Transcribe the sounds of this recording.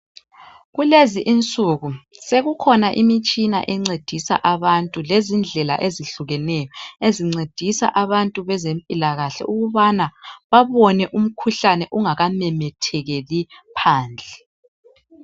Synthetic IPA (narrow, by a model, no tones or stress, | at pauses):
ɣuleziʔint͡sʼuɣuseɣukʰɔnaʔimit͡ʃʼina̰ʔɛŋ͡ǀed̥ʱisa̰ʔaβantʼulezind͡ɮʱɛla̰ʔeziɬuɣɛnɛjɔeziŋ͡ǀed̥ʱisa̰ʔaβantʼuβɛzempʼilaɣaɬɛ̰ʔuɣuβanaβaβɔnɛʔum̩kʰuɬanɛʔuŋaɣamɛmɛtʰɛɣɛlipʰaːnd͡ɮʱɛ